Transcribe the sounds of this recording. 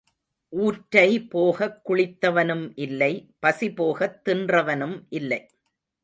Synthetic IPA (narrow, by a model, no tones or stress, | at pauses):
ʔuːʈːɐɪpoːɣɐkːʊɭɪt̪ːɐʋɐnɯmʔɪlːɐɪpɐsipoːɣɐt̪ːɪndrɐʋɐnɯmʔɪlːɐɪ